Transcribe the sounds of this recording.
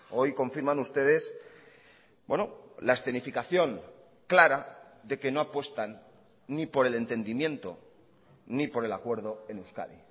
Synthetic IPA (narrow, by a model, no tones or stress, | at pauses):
o̞jko̞ɱfiɾmãnust̪e̞ðe̞s | bwenolaesθe̞nifikaθjo̞n | klaɾaðe̞ke̞no̞apwe̞st̪anː | ipo̞ɾe̞le̞nt̪e̞nd̪imje̞nt̪o̞ | nipo̞ɾe̞lakwe̞ɾðo̞e̞newska̰ðḭ